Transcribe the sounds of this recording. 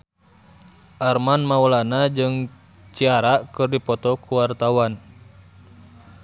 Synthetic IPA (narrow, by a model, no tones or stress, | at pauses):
ʔarmanmaulanad͡ʒɨŋ | t͡ʃiaɾaʔkɨrdipɔt̪ɔkuwart̪awan